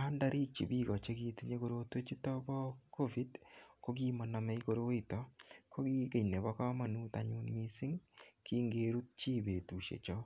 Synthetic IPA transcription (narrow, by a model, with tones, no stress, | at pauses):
a˦nda˦ɾi˦t͡ʃi˨bi˦kɔ˨t͡ʃe˦ki˧ti˦ɲe˦ko˦ɾo˦twe˦t͡ʃi˦tɔ˦bɔ˦kʰo˦vi˦dko˦ɡi˦mɔ˨na˨mɛ˦iko˨ɾo˦i˦tɔ˦kʰo˦ki˦ke˨jne˨bɔ˦ka˦ma˨nu˦ta˨ɲu˦nmi˦sɪ˦ŋki˦ŋɡeɾu˦t̚t͡ʃi˦be˨tu˨ʃḛ˨t͡ʃɔ˦